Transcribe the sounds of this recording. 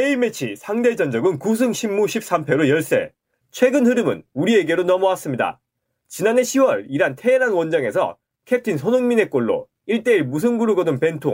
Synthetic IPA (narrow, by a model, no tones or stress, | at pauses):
eime̞t͡ɕʰisʰaŋde̞d͡ʑʌnd͡ʑʌɡɯnkus̬ʰɯŋɕʰimːuɕʰip̚s͈ampʰe̞ɾojʌɭs͈e̞̰ | t͡ɕʰwe̞ɡɯnɦɯɾɯmɯ̰nuɾie̞ɡe̞ɾonʌmoas͈ɯmɲida̰ | t͡ɕinane̞ɕʰiwʌɾiɾantʰe̞ɾanwʌnd͡ʑaŋe̞sʰʌ̰ | kʰe̞tʰinsʰonoŋmine̞k͈oɭːo̰ | iɭt͈e̞iɭmus̬ʰɯŋɡuɾɯɡʌdɯnpe̞ntʰo